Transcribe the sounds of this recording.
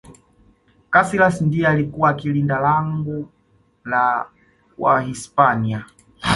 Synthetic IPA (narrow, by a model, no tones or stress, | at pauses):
kasilasndiɛalikuwakilindalaŋɡu | la | wa̰hispania